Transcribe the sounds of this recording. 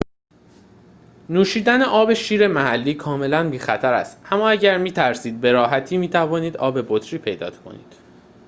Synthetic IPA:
nuːʃiːd̪æneʔɒːbe̞ʃiːɾe̞mæhælːiːkʰɒːme̞lænbiːxæt̪ʰæɾæ̰st̪ʔæmːɒːæɟæɾmiːt̪ʰæɾsiːd̪̚be̞ɾɒːɦæt̪ʰiːmiːt̪ʰævɒːniːd̪ɒ̰ːbe̞bot̪ʰɾiːpʰejd̪ɒ̰ːt̪kʰo̰nḭːd̪̥

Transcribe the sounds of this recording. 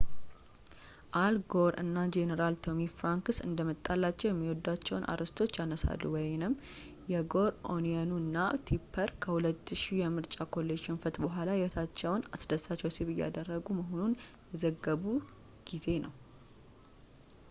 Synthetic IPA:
ʔalɡoɾɨ̰nːad͡ʒenəɾalt̪ʰo̞mifɾaŋkɨsɨ̰nd̪əmət̪ʼːalːat͡ʃːɛwjɛmːiwɔd̪ːat͡ʃːɛwnʔa̰ɾəst̪ʰo̞t͡ʃːjanəsa̰lːuwɔjnɨm | jɛɡo̞ɾʔo̰nianunːat̪ʰipʰːəɾkʰəhulət̪ːɨʃijɛmɨɾt͡ʃʼakʰo̞lːeʃinfət̪bəɦʷalajɛwɔt̪ʰat͡ʃːɛwnasd̪əsat͡ʃːɛwsibɨjːa̰d̪ərːəɡuməɦo̞nunjɛzəɡːəβu | ɡ̥ize̞nəw

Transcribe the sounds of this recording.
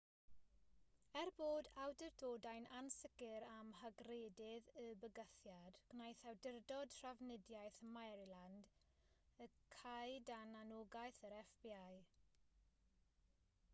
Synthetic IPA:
ɛrboːdawdərdoːdajnansɪɡɪɾamhəɡreːdɪðəbəɡəθjad̥ɡ̥najθɛwdɪrdɔd̥r̥avnɪdjajθmajɾilˠand | əkʰajdananoɡajθəɾɛfb̥iaj

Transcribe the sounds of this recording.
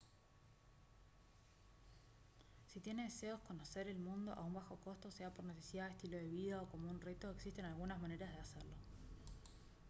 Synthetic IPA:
sit̪je̞ne̞ðese̞o̞sko̞no̞se̞ɾe̞lmũnd̪o̞ʔa̰umbaxo̞ko̞st̪o̞seapo̞ɾnesesjaest̪ilo̞ð̞e̞βið̞ao̞ko̞mounre̞t̪o̞eksist̪enalɣunazmane̞ɾazðeaseɾlo̞

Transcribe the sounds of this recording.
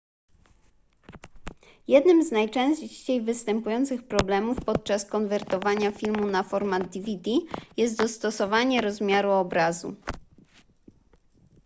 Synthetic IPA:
jɛd̪nɘmznajt͡ʂɛ̃ɕt͡ɕejvɘst̪ɛmpujɔnt̪sɘxpɾɔblɛmufpɔt̪̚t͡ʂaskɔnvɛɾt̪ɔvaɲafʲilmunafɔɾmad̪ʲivʲid̪ijɛst̪̚d̪ɔst̪ɔsɔvaɲɛɾɔzmʲjaɾuɔbɾazṵ

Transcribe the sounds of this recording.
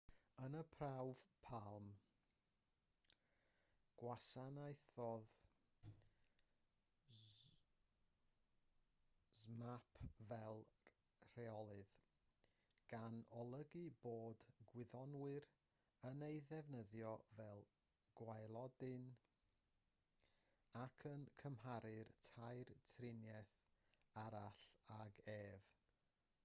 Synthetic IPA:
ənəpʰrawv̥pʰalˠm | ɡ̥wasanajθɔð | zmapʰvɛlˠ | r̥ɛɔlˠɨð | ɡ̥anɔlˠəɡɨboːdɡwɪðɔnwɨɾ | ənejðɛvnəðjɔvɛlˠ | ɡ̥wajlˠɔdɪn | akʰənkʰəmɦaɾɨrtʰajrtʰrɪnjɛθaɾaɬaɡeːv̥

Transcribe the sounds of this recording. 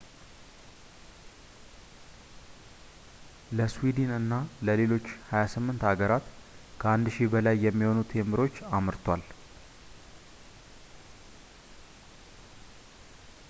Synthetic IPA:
ləswid̪inɨnːaləle̞lo̞t͡ʃːhajasɨmːɨnt̪aɡəɾat̪kʰəand̪ʃibəlajːɛmːiho̞nut̪ʰemɨɾo̞t͡ʃːamɨɾt̪ʰwal

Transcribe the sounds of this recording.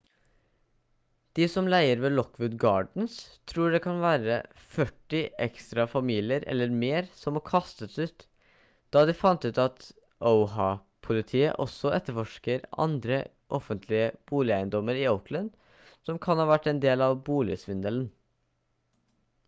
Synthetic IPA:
d̪̥ɪsɔmlæɪəɾʋeːlɔkʋʉt̪ɡɑːɖɳ̩st̪ʰɾuːɖɛkʰɑnʋæːɾə̰ | fœʈːɪʔɛ̰kst̪ɾɑfɑmiːlɪəɾɛ̰lːəɾmeːɾsɔmɔkʰɑst̪əsʉːt̪ | d̪̥ɑːd̪ɪfɑnt̪ʉːt̪ɑt̪ | ʔəʊɦɑ | pʰʊlɪt̪ʰiːə̰ʔɔsɔʔɛt̪ːəɾfɔʂkəɾɑ̰nd̪ɾə | ʔɔfənt̪ʰlɪəb̥uːlɪæɪənd̪ɔmːəɾɪəʊklən | sɔmkʰɑnhɑːʋæʈːɛnd̪eːlɑʋbuːlɪsʋɪnd̪əln

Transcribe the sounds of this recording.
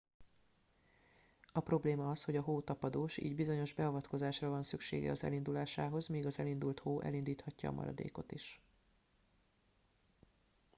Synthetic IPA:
ɒpro̞bleːmɒɒsho̞ɟɒɦoːt̪ɒpɒd̪oːʃḭːɟbizo̞ɲo̞ʒbɛɒvɒt̪ko̞zaːʃrɒvɒnsykʃḛːɡɛ̰ɒzɛ̰lind̪ulaːʃaːɦo̞zmiːɡɒzɛlind̪ult̪hoːʔɛ̰lind̪iːt̪hɒcːɒ̰ːmʔɒ̰ɾɒ̰d̪ḛːko̞t̪iʃ

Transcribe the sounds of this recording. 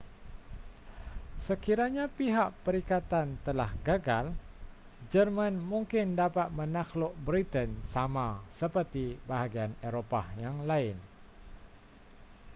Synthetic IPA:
səkiɾaɲapiɦaʔpəɾikat̪ant̪əlahɡaɡal | d͡ʒərmãnmuŋkɪndapat̪̚mənaxlʊʔ̚bɾit̪ənsamasəpərt̪ibaɦaɡianeɾopajaŋlaɪn

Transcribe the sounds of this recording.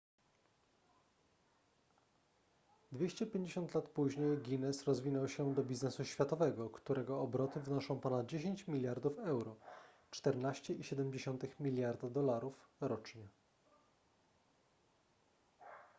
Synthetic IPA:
d̪vʲjeɕt͡ɕɛpʲjeɲd͡ʑeɕɔnt̪lat̪puʑɲejɡʲinɛsɾɔzvʲinɔwɕɛd̪ɔbʲiznɛsuɕfʲjat̪ɔvɛɡɔkt̪uɾɛɡɔːbɾɔt̪ɘvɘnɔʂɔ̃w̃pɔnad̪̚d͡ʑeɕeɲt͡ɕmʲilʲjaɾd̪ufɛwɾɔ | t͡ʂt̪ɛɾnaɕt͡ɕɛʔiɕɛd̪ɛmd͡ʑeɕɔnt̪ɘxmʲilʲjaɾd̪ad̪ɔlaɾufɾɔt͡ʂɲɛ

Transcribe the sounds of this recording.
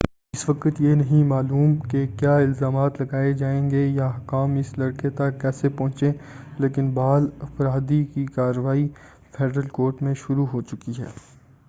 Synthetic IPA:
ɪsʋɐkət̪jenɐɦĩmaːluːmkekjaːɪlzaːmaːt̪lɐɡaːed͡ʒaːẽːŋɡejaɦkaːmɪslɐɽket̪ɐkːɛːsepɔ̃ːt͡ʃẽleːkɪnbaːlɐfɾaːd̪ikikaːɾːəʋaːi | fʰeːɖɾəlkoːɾʈmẽʃʊɾuɦoːt͡ʃʊkiɦɛ̰ː

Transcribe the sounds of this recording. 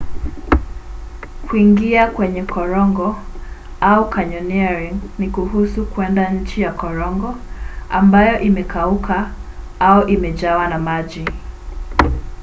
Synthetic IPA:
kwiŋɡiakwɛɲɛkʰɔɾɔŋɡɔ | aukʰaɲɔniaɹiŋnikuɦusukwɛndaɲ̩t͡ʃijakɔɾɔŋɡɔa̰mbajɔʔimɛkaukʰa | auʔimɛʄawanamaʄi

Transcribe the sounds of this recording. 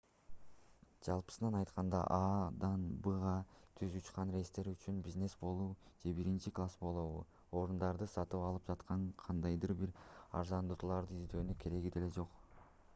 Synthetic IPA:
d͡ʒɑlˠpɯ̥sɯnɑnɑjt̪qɑnd̪ɑ̰ʔɑːd̪ɑnbɯʁɑt̪ʰyzut͡ʃqɑnre̞st̪e̞ɾyt͡ʃynbizne̞sbo̞lˠuːd͡ʒe̞biɾint͡ʃiklˠasbo̞lˠuβṵ | o̞ɾund̪ɑɾd̪ɯsɑt̪ɯpɑlˠɯp̚d͡ʒɑt̪qʰɑɴqʰɑnd̪ɑjd̪ɯɾbiɾɑ̰ɾzɑnd̪ut̪lˠɑɾd̪ɯizd̪ø̞ːnykʰe̞ɾe̞ɡid̪e̞le̞d͡ʒo̞q

